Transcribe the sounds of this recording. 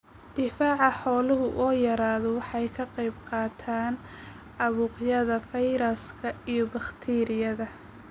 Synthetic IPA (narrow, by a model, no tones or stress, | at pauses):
d̪̥ɪfaːʕɑħɔːlʊɦʊʔɔːjɐɾaːðɔwɑħɑjkʰɐqɑjbqɑːt̪ʰaːn | ɑβuːqjɐðɐfɛjɾɐskʰɐijɔbɑχt̪ʰiːɾɪjɐðɐ